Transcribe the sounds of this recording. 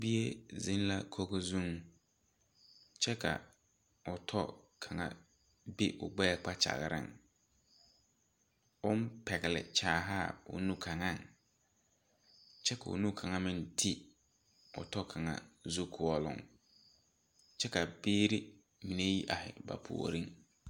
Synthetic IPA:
bi˦e˦zɪ˦n˦la˦kʰo˦ɣo˦zu˦ŋ | t͡ʃɛ˦ka̰˨ | ʊ˨tʰɔ˦kʰa˨ŋa̰˨ | bi˦ʔʊ˨ɡ͡bɛː˦k͡pa˦t͡ʃa̰˨ɣɪ˨ɾɪ̰˦ŋ | ʊ˦m˦pɛ˨ɣɪ˨lɪ̰˨t͡ʃaː˨ɦa˦˨ʊ̰˨nũ˦kʰa˨ŋa˦˨ŋ | t͡ʃɛ˦ka˨ʊ̰˨nũ˦kʰa˨ŋa˦mɪ̃˦ntʰi˦ | ʊ̰˨tɔ˦kʰa˨ŋa̰˨zu˦kʰʊ˨ɔ˦lʊ̰˨ŋ | t͡ʃɛ˦ka˨beː˦ɾi˦ | mi˨ne˦ji˦ʔa˨hɪ̰˨ba̰˨pʰṵ˨o̰˨ɾi˦ŋ

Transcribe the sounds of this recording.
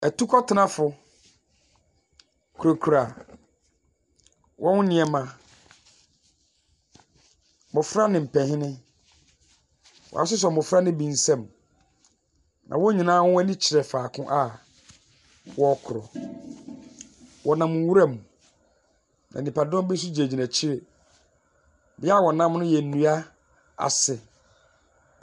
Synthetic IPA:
æ˨tu˦kʰɔ˦tʰɪ˨˦nã˦fʊ˨ | kʰu˨ɾo˨kʰu˨ɾa˨ | wʔɔ̃˦nʊ˦nɪ̃˨ɛ˨mã˨ | mʊ̃˨fɾa˦nɪ̃˨m̩˨pɛ̃˨hɪ̃˦nɪ̃˦ | wɔ̰˨a̰˨sʊ˦s̬ɛ˨mʊ̃˨fɾa˦nɪ̃˦bĩ˨n˦sɛ̃˦˨m | nʔã̰˨wɔ˦ɲĩ˨nãː˦wʊ̃˦ɛ˦nĩ˦t͡ɕʰɪ˨ɾɛ˨faː˨kʰʊ̃˦ʔa˨ | wɔ˦kʰʊ˨ɾɔ̰˨ | wʔɔ˨nã˨mʊ̃˨˦wu˦ɾa˦mũ˨ | nã̰˨nĩ˨pa˨dɔ̃˦m˦be˦s̬u˦d͡ʑe˨d͡ʑi˨næ˨t͡ɕʰi˦ɾe˨ | bɪ˦a˦˨wɔ˨nã˦mnʊ̃˦jɛ˨n̩˨nũ˨a˦ | a̰˨sɛ˨

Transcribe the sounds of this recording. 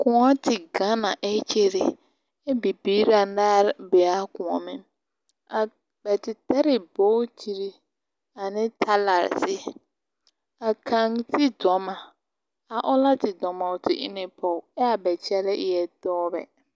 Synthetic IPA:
kʊ̃˨a˦tʰɪ˨ɡa˦na˨ʔɛ˦t͡ʃe˦ɾɪ˨ | ɛ˦bi˨bi˦ɾa˨ndaː˦ɾbɛ˨a˦kʊ̃˨ɔ˨mɪ̃˦m | a˨ | bɛ˨tɪ˨tɛ˦ɾɪ˨boː˦t͡ʃʰi˨ɾi˦ | a˨nɪ̃˦tʰa˦la˨ɾsɪ˦ | a˨kʰã˨ŋtʰɪ˦dɔ˨mã˨ | a˨ʔɔ˦la˦tɪ˨dɔ˨mã˨ʊ˨tʰɪ̰˨ʔɪ̰˦nɪ˦pʰɔ˨ɛ˦a˨bɛ˨t͡ʃʰɛ˦lɛ˦ʔɛ˨dɔː˦bɛ̰˨

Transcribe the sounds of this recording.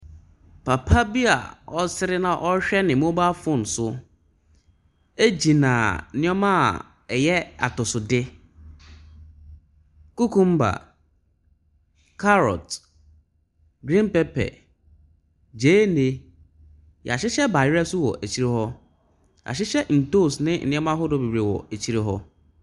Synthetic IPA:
pʰa˨pʰa˦bi˦a̰˨ɔ˦sɪ˦ɾɪ˦nã˨ʔɔ˦ɕᶣɛ˦nɪ̃˨mõ˦ba˦fʊ̃˦n̩˨sʊ˦ | æ˦d͡ʑi˨nã̰˨nɪ̃˦ɔ˦mã˦˨ | ɛ˨jɛ˦a̰˨tʊ˨sʊ˨dɪ˦ | ku˦kʰũ˦m̩˦ba̰˨ | kʰa˦ɾɔ̰˨t | ɡɾĩ˦n˦pɛ˦pʰɛ̰˨ | d͡ʑeː˨˦ne˦ | jɛ̰˨a˨ɕɪ˦ɕɛ˦ba˨jɛ˦sʊ˦wɔ̰˨ʔæ˨t͡ɕʰi˦ɾe˦hɔ˦ | a̰˨ɕɪ˦ɕɛ˦n̩˨to˦˨snɪ̃˦n̩˨ɪ̃˦ɛ̃˦mã˦ɦɔ˦dɔ˦bi˨bɾe˨wɔ̰˨æ˨t͡ɕʰi˦ɾe˦ɦɔ˦

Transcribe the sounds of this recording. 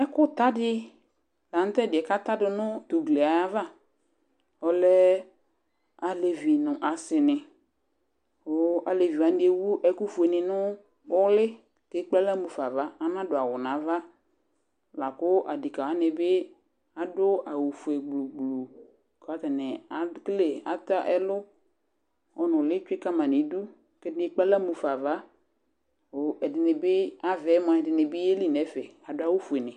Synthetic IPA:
ɛ˦kʊ˦t̪a˦dɪ˦ | la˨n̩˦t̪ɛ˦˨dɪ˨ɛ˨ka˦t̪a˦dɪ˨nʊ̃˦t̪u˨ɡle˨a˨ja˦va˦ | ɔ˨lɛ˦ | a˨le˨vi˨nʊ̃˨ʔa˨sɪ˨nɪ˨ | ʊ˦a˨le˨vi˨a˨n˦dɪ˦e˦wu˦ʔɛ˦ku˦fu˨e˨nɪ̃˨nʊ̃˦ | ʊ˦lɪ˦ | ke˦k͡pɛ˦la˦mu˨fa˨va˦a˨n˦ã˦dʊ˨a˨wʊ˨nã˨˦va˦ | la˨kʊ˦ʔa˨dɪ˨ka˨wa˦nɪ˨bɪ˦ | a˨dʊ˦a˨wu˨fu˨ɛ˨ɡ͡blu˨ɡ͡blu˨ | ka˨a˨˦tɛ˨nɛ˨a˨˦kle˨a̰˨ta˦ʔɛ˦lʊ˦ | ɔ˨nʊ̃˨lɪ˦t͡ʃʊ˦ɪ˦ka˦mã˨ni˨˦du˦ | kɛ˦dɪ˦k͡pa˦la˦mu˨fa˨va˦˨ | ɛ˨dɪ˨nɪ˨bɪ˦a˨vɛ˨˦m˨a˨ɛ˨dɪ˨nɪ˨bɪ˦e˦li˦nɛ˨˦fɛ˨a˨dʊ˦a˦˨wu˦fu˨ɛ˨nɪ˨

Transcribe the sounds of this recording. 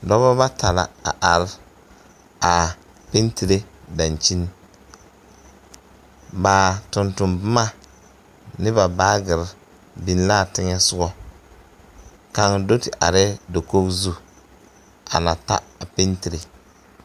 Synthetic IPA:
dɔ˦βa˦ba˦tʰa˨la̰˨a̰˨ʔa˨ɾɪ˦ | a˨ | pe˦nti˨ɾe˦da˨n˨t͡ʃi˦n˦ | ba˨tʊ˨ntʊ˨mbɨ˦ma˦˨ | nɪ˦ba˨ba˦ɡɪ˨ɾ | bi˨n˦la˦˨tɪ˦ŋɛ˦sʊ˦ɡɔ˦ | ka˦ŋdo˦tɪ˨ʔa̰˨ɾɛ˦do˨ko˦bzu˦ | a̰˨na˨ta̰˦a˨pe˦nti˨ɾe˨

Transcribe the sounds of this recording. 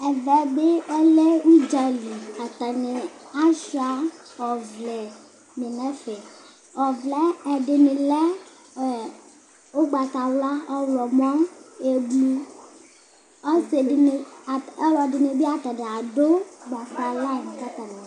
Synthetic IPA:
ɛ˨vɛ˨be˦le˦wu˦d͡ʒa˨li˨a˨t̪a˨ne˨a˦ʃa˦ɔ˨vlɛ˨ | mẽ˨nɛ˦fɛ˨ | ɔ˨vlɛ˦ɛ˨ɖe˨ne˨lɛ˦˨ | o˦ɡ͡ba˨t̪a˨wla˦ɔ˦wlɔ˨m˦ɔ̃˦e˨bu˦ | ɔ˦se˨ne˨ɛ˦lɔ˨dɪ˨ne˨be˦a˨t̪a˨ne˨a˨ɖo˦ɡ͡ba˨ta˨la˦˨n˨ka˦t̪a˨nã˨

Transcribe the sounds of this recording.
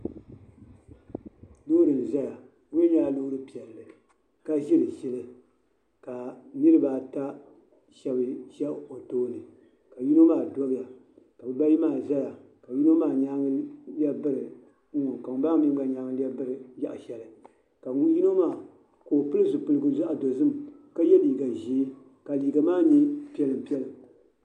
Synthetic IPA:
doː˦dɨ˨n˨za˦ja˨ | ŋʊ˦ɲa˦a˦lo˦ɾɨ˦pi˨ɛ˨lːɨ˨ | ka˦ʒi˦lɨ˨ʃɛ˦lɨ˦ | ka˨nɨ˦ɾɨ˦ba˨ta˦ | ʃɛ˨bɨ˨ʃɛ˦o˨toː˦nɨ˨ | ka˨ju˦no˦maː˦˨dɔ˦bja˨ | ka˨bɨ˨ba˦ji˦maː˨za˦ja˨ | ka˨ji˦no˦maː˦˨ɲa˦ŋ˦lɛ˦bɨ˦ɾɨ˨ | ŋ̩˦ŋʊ˨ka˨ŋ˦ba˦ŋ˦nɨ˦a˨ɲa˦ŋ˦la˦bɨ˦ɾɨ˨ja̰˦ʔʃɛ˨lɨ˨ | ka˨ŋ˦ji˦no˦maː˦˨ | koː˨pɨ˦lɨ˦zʊ˨pɨ˨lɨ˨ɡɨ˦n˦za˦ʔa˨do˨zɨ˦m˨ka˦jɛ˦liː˨ɡa˨ʒi˦ | ka˨liː˨ɡa˨maː˦ɲi˦pi˦ɛ˦lɨ˨m˨pi˦ɛ˦lɨ˨

